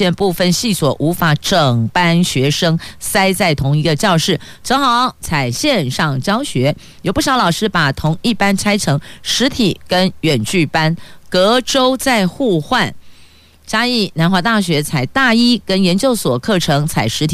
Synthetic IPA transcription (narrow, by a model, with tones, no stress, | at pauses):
ɛ˥˧npu˥˧fə˥˧nɕi˥˩swɔ˨˩˦ʔu˧˥fa˧˥ʈ͡ʂɤ˨˩ŋpa˥nɕɥɛ˧˥ʂɤ˥ŋsa˥ɪt͡sa˥˩ɪt̪ʰʊ˧˥ŋi˧˥ɡə˧t͡ɕjɑ˥˧ʊʂɻ̩˥˩ | t͡sɤ˧˥ŋxɑ˧˦ʊt͡sʰa˨˩ɪɕjɛ˥˧nʂɑ˥˩ŋt͡ɕjɑ˥ʊɕɥɛ˧˥ | jo˨˩ʊpu˥˩ɕjɑ˧˥lɑ˨˩ʊʂɻ̩˥pa˨˩t̪ʰʊ˧˥ŋi˥˩pa˥nt͡sʰa˥ɪʈ͡ʂʰɤ˧˥ŋʂɻ̩˧˥t̪ʰi˨˩˦kə˥nɥɛ˨˩nt͡ɕy˥˩pa˥nkɤ˧˥ʈ͡ʂo˥ʊt͡sa˥˧ɪxu˥˧xwa˥˩n | t͡ɕa˥i˥˩na˧˥nxwa˧˥t̪a˥˩ɕ̬ɥɛ˧˥t͡sʰa˨˩ɪt̪a˥˩i˥kə˥njɛ˧˥nt͡ɕjo˥˩ʊswɔ˨˩kʰɤ˥˩ʈ͡ʂʰɤ˧˥ŋt͡sʰa˨˩ɪʂɻ̩˧˥t̪ʰ